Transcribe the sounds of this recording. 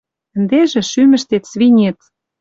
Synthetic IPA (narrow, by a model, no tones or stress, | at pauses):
ə̆nd̪eʒĕʃymɘ̆ʃt̪et̪sβinʲet̪